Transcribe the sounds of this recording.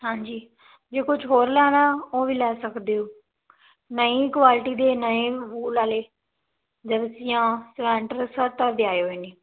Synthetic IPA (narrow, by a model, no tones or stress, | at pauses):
ɦãːɲd͡ʒiː | d͡ʒeːkʊt͡ʃɦoːɾlɛːnãːoːʋiːlɛːsəkd̪eːoː | nəiːkʋaːlɪʈiːd̪eːnəĩːʋuːlaːleː | d͡ʒəɾsɪjãːsʋɛ̃ːɳʈəɾsəɾt̪əːd̪ɪaːeɦoeːniː